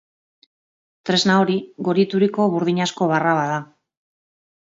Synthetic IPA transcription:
t̪ɾe̞znaoɾiɣo̞ɾit̪uɾiko̞βuɾðiɲasko̞β̞araβaða

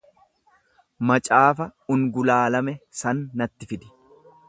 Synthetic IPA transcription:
mɐt͡ʃʼaːfɐʊŋɡʊlaːlɐmɛsɐnːɐt̪ːɪfɪd̪ɪ̥

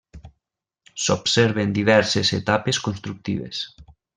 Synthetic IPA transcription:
sobseɾβend̪iβɛɾseset̪apeskonst̪ɾuk̚t̪ḭβ̞ḛs

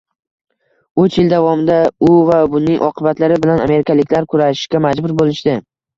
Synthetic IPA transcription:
ɵt͡ʃʰjɪld̪avɒmɪd̪aʊvabʊnɪŋʔɒ̰qʰɨbat̪laɾɪbɪlaname̞ɾɪkʲʰalɪkʲlaɾkʰʊɾaʃɪ̥ʃkʲamad͡ʒbʊɾbolɪʃd̪ɪ

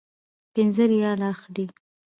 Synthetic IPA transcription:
pɪnzəɾijɑlɑxd̪i

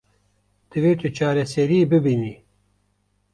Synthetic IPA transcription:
d̪̥ɨveːt̪ʰɨt͡ʃʰaːɾɛsɛɾiːbɨbiːniː

